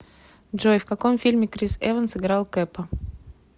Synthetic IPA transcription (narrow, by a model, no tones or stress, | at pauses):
dʐojfkɐkomfʲilʲmʲɪkɾʲisɛvənsɨɡɾɑlˠkɛpə